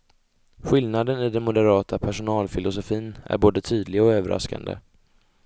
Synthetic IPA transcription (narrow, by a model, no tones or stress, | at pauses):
ɧɪlnad̪ənɪd̪ɛnmʊd̪ɛɾɑːt̪ʰapʰæʂʊnɑːlfɪlʔʊsʊfiːnæ̰ɾboːd̪ət̪ʰyːd̪lɪɡɔøːvəɾʔa̰ska̰nd̪ə̰